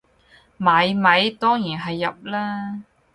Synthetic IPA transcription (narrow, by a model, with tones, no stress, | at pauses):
mɐ˨˥jmɐ˨˧jt̪ɔː˥ŋjiː˨˩nɦɐ˨jːɐ˨p̚laː˥